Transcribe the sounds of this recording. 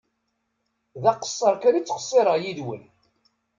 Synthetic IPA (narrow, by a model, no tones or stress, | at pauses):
ðæqə̥sˤːəɾˤkaɾit͡sːə̥χə̥sˤːeɾˤəʁjiðwə̰n